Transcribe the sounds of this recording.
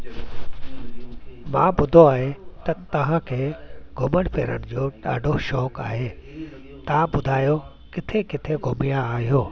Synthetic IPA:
mã̰ːɓʊd̪ʱoaːɦet̪ɐt̪ɐʋ̤ãkʰeːɡʱʊməɽ̃pʰḛːɾə̰ɽ̃ɪd͡ʑoːɗa̰ːɖʱoʃɔːkaːɦeː | t̪ɐʋãɓʊd̪ʱaːjo | kɪt̪ʰekɪt̪ʰeɡʱʊmijãaːɦijoː

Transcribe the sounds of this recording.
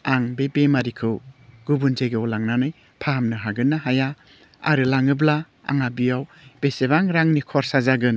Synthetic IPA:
aŋbebemaɾikʰɯwɡ̥ubunzeɡewlaŋnanɯj | pʰamnɯɦaɡɯnːaɦaja | a̰ɾɯlaŋɯbla | a̰ŋabijaw | b̥eseβaŋɾaŋnikʰɔɾsazaɡɯn

